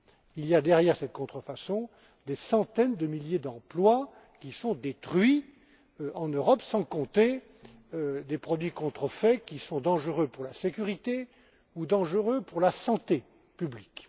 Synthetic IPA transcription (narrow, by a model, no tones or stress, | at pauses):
ilijad̪ɛʁjɛʁsɛt̪kɔ̃t̪χəfasɔ̃ | d̪esɑ̃t̪ɛnd̪əmiljed̪ɑ̃plwa | kʲisɔ̃d̪et̪χɥi | ɑ̃nøʁɔpsɑ̃kɔ̃t̪e | d̪epχɔd̪ɥikɔ̃t̪χəfɛkʲisɔ̃d̪ɑ̃ʒəʁøpuʁlasekʲyʁit̪e | ud̪ɑ̃ʒəʁøpuʁlasɑ̃t̪e | pyblik